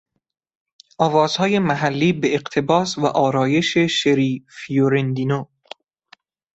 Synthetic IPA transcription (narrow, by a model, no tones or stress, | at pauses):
ʔɒːvɒːz̥hɒːje̞mæɦælːiːbeːɢt̪ʰe̞bɒːsvæʔɒːɾɒːje̞ʃeʃeɾiːfioɾend̪ino